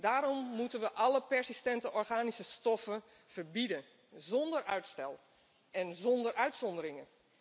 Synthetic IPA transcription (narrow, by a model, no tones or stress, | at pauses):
daːɾɔmːutənʋəʔɑləpɛɹsistɛntəʔɔrɣaːnisəstɔfən | v̥ərbidən | zɔndərʔœɥtstɛlˠ | ɛnzɔndərʔœɥtsɔndəɾɪŋən